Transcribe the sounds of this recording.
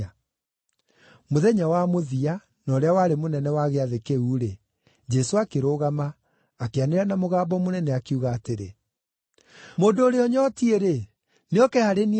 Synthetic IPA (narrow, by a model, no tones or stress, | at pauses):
moðɛɲawamoðia | nɔɾeawaːɾemonɛnɛwaɣeaðekeuːɾe | d͡ʒɛsoakeɾoɣamaː | keaneɾɛnamoɣaːbɔmonɛnɛakeuɣaːteɾḛ | moːndoːɾeɔɲɔtieɾe | neɔkɛhaɾen